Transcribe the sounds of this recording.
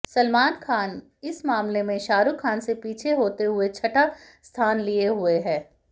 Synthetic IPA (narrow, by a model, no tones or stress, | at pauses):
sɐlmaːnkʰaːn | ɪsmaːmlemẽʃaːɾukʰaːnsepiːt͡ʃʰeɦoːt̪eɦʊet͡ʃʰɐʈa | st̪ʰaːnlieɦʊeɦɛː